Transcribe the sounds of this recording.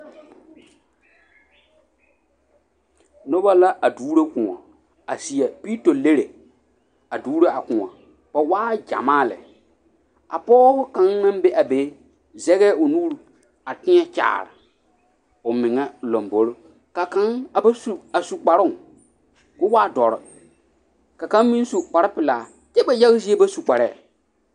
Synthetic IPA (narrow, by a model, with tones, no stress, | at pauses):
nʊ˦ba˦la˦ʔa˨duː˦ɾe˦kʊ̃˨ŋɔ̰˨ | a˨si˨ɛ˨pi˦to˨le˦ɾe˨ | a˨duː˦ɾe˦a˨kʊ̃˨ŋɔ̰˨ | pa˨waː˦d͡ʒa̰˨maː˦˨lɛ̰˨ | a̰˨pɔː˦hʊ˦ka˨˦ŋnã˦mbe˦ʔa˨be˨˦ | zɛ˦ɣɛ˦ʊ˨nuː˦ɾ | a˨tɪ˦ɛ˦t͡ʃa̰ː˨ɾɪ̰˨ | ʊ˨mɪ˨ŋɛ˦lo˨mbo˨ɾo˦ | ka˨ka˦ŋa˨ba˦su˨a˨su˨k͡pa˨ɾʊ˦ŋ˨ | kʊ˦waː˦dɔ˨ɾɔ˨ | ka˨kã˨˦n˦mĩ˦n˦su˨k͡pa˨ɾɪ˦pɪ˨laː˨ | t͡ʃɛ˦ba˨ja˦ɣzi˦e˦ba˦su˨k͡pa˨ɾɛː˦˨